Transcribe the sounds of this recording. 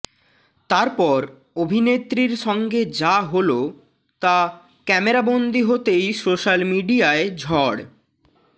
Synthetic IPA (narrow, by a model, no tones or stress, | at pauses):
t̪aɾpɔɾ | obʱinet̪ːɾiɾʃɔŋɡed͡ʑaɦolo | t̪a | kɛmeɾabond̪iɦot̪ejsoʃalmiɖiaed͡ʑʱɔɽ